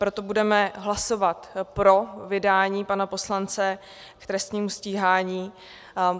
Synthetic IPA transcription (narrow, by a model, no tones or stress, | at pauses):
pɾo̞t̪obudɛmɛɦlaso̞vat̪pɾo̞vɪdaːɲiːpanapo̞slant͡sɛ | kt̪ɾɛst̪ɲiːmusciːɦaːɲiː